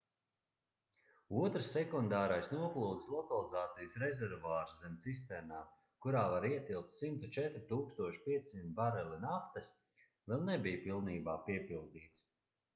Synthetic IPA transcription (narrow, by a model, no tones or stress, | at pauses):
uɔt̪ɾsːɛkund̪aːɾajsnuɔklˠuːd̪slˠɔkalˠizaːt̪sijsɾɛzʲɛɾvaːɾszɛmʲt̪sis̬t̪ɛɾnaː | kuɾaːvaɾiɛt̪ilˠk̚t̪simt̪ut͡ʃɛt̪ɾit̪uːkst̪uɔʃi̥piɛt̪simʲt̪baɾɛlinaft̪əs | vɛlˠnebijpilˠniːbaːpiɛpilˠd̪iːt̪s